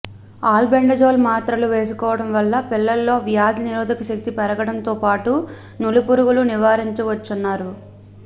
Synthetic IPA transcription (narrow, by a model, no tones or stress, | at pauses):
aːlbeɳɖɐd͡ʒo̞ːlmaːt̪ɾɐluʋe̞ːs̬ukɔːʋɐɽɐmʋɐlːɐpilːɐlːo̞ːʋjaːd̪ɐniɾoːd̪ɐkɐʃɐk̚t̪ipɛɾɐɡɐɽɐnt̪o̞ːpaːʈu | nulupuɾuɡuluniʋaːɾiɲt͡ʃɐʋɐt͡ʃːunːaːɾu